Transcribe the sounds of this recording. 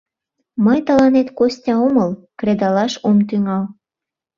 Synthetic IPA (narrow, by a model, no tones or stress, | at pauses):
məjt̪əlɑnet̪kosʲtʲɑoməlkred̪ɑlɑʃomt̪yŋɑl